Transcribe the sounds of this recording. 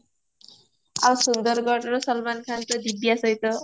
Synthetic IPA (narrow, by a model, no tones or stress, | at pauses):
ʌsund̪ʌrɡʌʈrʌsʌlmankʰant̪ʌd̪ibjasʌjt̪ʌ